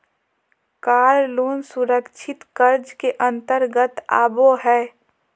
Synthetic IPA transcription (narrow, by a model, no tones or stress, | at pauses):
kaːɾloːnsʊɾəkʃʰɪt̪kəɾd͡ʒkeʔə̃nt̪əɾɡət̪a̰ːboɦɛː